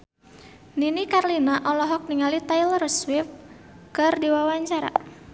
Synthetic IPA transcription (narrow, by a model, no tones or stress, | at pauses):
ninikarlinaʔɔlɔɦɔk̚niŋalit̪ajlrswɪfkɨrdiwawaɲt͡ʃaɾa̰